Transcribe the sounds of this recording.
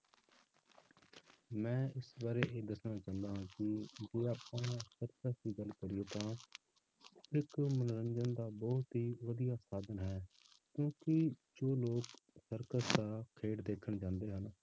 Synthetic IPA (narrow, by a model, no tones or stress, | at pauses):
mɛ̃ːɪsbaːɾeːʔeːd̪əsnaːt͡ʃãːnd̪aːɦãːkɪd͡ʒeːaːpãːsəɾkəd̪iːɡəlkəɾɪjoːt̪ãː | ɪkmənɾə̃ɲd͡ʒənd̪aːbɔːt̪ɦiːʋəd̪ijaːsaːd̪ənɦɛːkjõːkɪd͡ʒoːloːksəɾkəd̪aːkʰeːɽd̪eːkʰəɳd͡ʒãːnd̪eːɦən